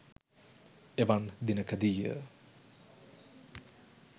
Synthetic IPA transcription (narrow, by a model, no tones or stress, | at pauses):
eʋɐnd̪inɐkɐd̪ijə̰